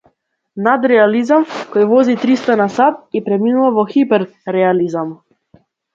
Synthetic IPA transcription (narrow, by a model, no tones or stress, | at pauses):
nad̪ɾɛalizamkɔjvɔzit̪ɾist̪anasat̪̚ipɾɛminuvavɔxipɛɾː | ɛalizam